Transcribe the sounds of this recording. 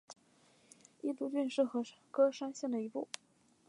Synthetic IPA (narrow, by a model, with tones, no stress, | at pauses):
i˥˩t̪u˧˥t͡ɕy˥˧nʂɻ̩˥˩xɤ˧˥ʂkɤ˥ʂa˥ŋɕjɛ˥˩ŋd̪ə˩i˧˥pṵ˥˩